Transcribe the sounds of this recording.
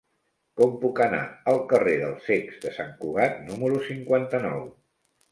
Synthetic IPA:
kɔmpukəna̰əlˠkəreðə̰lˠsekzd̪əsaŋkuɣ̞at̪numəɾusiŋkwant̪ənɔw

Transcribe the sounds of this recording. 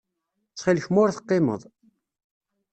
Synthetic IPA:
θχilçmʊɾθə̥qːemə̰ðˤ

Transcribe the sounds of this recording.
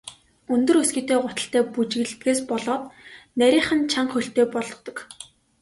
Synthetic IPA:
ɵnt̪ɵ̆rɵsɡĭːt̪eːɢʊt̪ə̆ɬt̪æːput͡ɕɣɘ̆ɮt̪ɡeːspɔɮɔːt̪næɾʲiːχə̆nt͡ɕʰaɴχɵɬt̪eːpɔɮɞ̆t̪ɞ̆k

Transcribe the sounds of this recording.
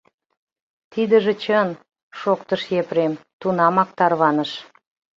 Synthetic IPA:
t̪id̪ə̆ʒĕt͡ɕən | ʃokt̪əʃjepɾemt̪unɑmɑk̚t̪ɑrβɑnəʃ

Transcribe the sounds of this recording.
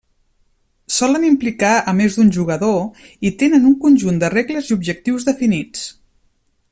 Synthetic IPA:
sɔlənimplikaəmezd̪unʲʒuɣəðoit̪enənuŋkunʲʒund̪əreɣləziubʒək̚t̪iwzðəfinit͡s

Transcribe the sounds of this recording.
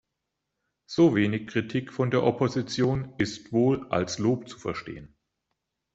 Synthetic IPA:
z̥oːveːnɪçkʁ̥itʰiːkfɔndeːɐʔɔpʰozit͡sjoːnɪstv̥oːlʔa̰lsloːpt͡su̥fɛɐʃtḛːən

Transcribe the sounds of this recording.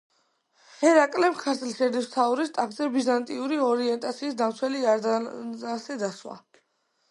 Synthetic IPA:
hɛɾakʼlɛmkʰaɾt̪ʰlʃɛɾd̪ist̪ʰauɾist̪ʼakʰzɛbizant̪ʼiuɾiɔɾiɛnt̪ʼat̪sʰiːsd̪amt̪sʰwɛlia | asɛd̪aswa̰

